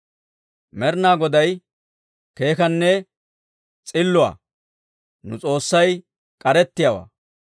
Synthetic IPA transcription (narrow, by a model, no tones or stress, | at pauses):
mɛɾnaːɡɔd̪ɐj | ke̞ːkɐnːɛ | t͡sʼɪlːʊwa̰ː | nʊt͡sʼo̞ːsːɐj | kʼɐɾɛt̪ːɪjawa̰ː